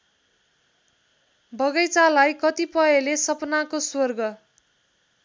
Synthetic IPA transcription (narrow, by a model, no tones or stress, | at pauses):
bʱʌɡʌjt͡salajkʌt̪ipʌelesʌpnakoswʌrɡʌ